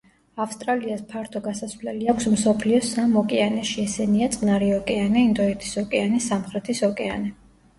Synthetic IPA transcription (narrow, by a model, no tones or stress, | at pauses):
afst̪ʼɾaliaspʰaɾt̪ʰɔɡasasvlɛliakʷʰsmsɔpʰliɔsamɔkʼɛanɛʃiɛsɛniat̪sʼnaɾiɔkʼɛanɛind̪ɔit̪ʰi̥sɔkʼɛanɛsːamχɾɛt̪ʰisɔkʼɛa̰nɛ